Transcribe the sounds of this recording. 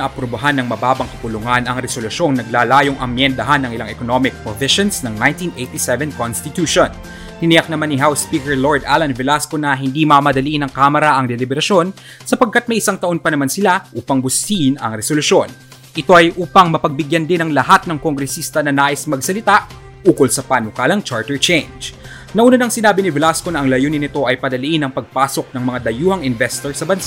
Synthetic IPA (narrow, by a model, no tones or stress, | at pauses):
ɐʔɐpɾobɐɦanːɐŋmɐbaːbɐŋkɐpʊlʊŋanɐŋɾɛsolʊʃjo̞ŋnɐɡ̚laːlaːjoŋʔɐ̰mjɛnd̪ɐɦanːɐŋʔɪlaŋɛkonomɪk̚pɾovɪʃonsnɐŋnajnt̪inʔejt̪isɛvɛnkonst̪ɪt̪uʃon | h̪ɪnɪjɐk̚nɐmanːɪɦawspiːkɛɹloɹd̪ʔalɐnvɛlaskonɐɦɪnd̪imɐmɐd̪ɐliʔɪnɐŋkaːmɐɾɐʔɐŋd̪ɛlɪbɛɾɐʃjo̞n | sɐpɐɡ̚kːat̪̚mɐjʔɪsaŋt̪ɐʔo̞npɐnɐmansɪlaʔuːpɐŋbʊsiʔɪnɐ̰ŋɾɛsolʊso̞n | ʔɪt̪o̞ʔɐjʔuːpɐŋmɐpɐɡ̚bɪɡjɐnd̪ɪnɐŋlɐhat̪̚nɐŋkoŋɡɾɛsist̪ɐnɐnaːʔɪsmɐɡsɐlɪt̪aʔ | uːkolsɐpanokaːlɐŋt͡ʃaɹt̪ɛɹt͡ʃɛjnd͡ʒ | nɐʔuːnɐnɐŋsɪnaːbɪnɪvɛlasko̞nɐʔɐŋlɐjonɪnɪt̪o̞ʔɐjpɐd̪ɐliʔɪnɐŋpɐɡ̚paːsok̚nɐŋmɐŋad̪ɐjuːhɐŋɪnvɛst̪oɹsɐbɐnsa